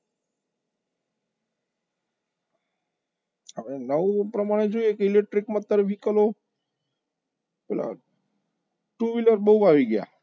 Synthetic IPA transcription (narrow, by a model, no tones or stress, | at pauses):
əʋenəũpɾəmaɽ̃ed͡ʒojekeɪlek̚ʈɾikmãt̪ːəɾfikəlo | pɛla̰ | ʈuʋiləɾbəuaʋiɡja̰